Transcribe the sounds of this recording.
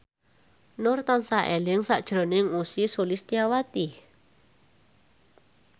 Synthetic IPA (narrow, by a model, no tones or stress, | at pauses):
nʊrt̪ansaʔelɪŋsaʔd̥ʒ̥ɾo̤nɪŋusisulɪst̪iawat̪i